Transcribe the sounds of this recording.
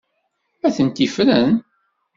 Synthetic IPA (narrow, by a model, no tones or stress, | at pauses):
æθənt̪ifɾən